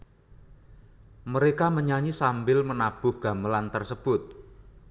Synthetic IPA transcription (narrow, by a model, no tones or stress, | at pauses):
məɾekaməɲaɲisambɪlmənab̥ʊhɡ̥a̤məlant̪ərsəb̥ʊt̪̚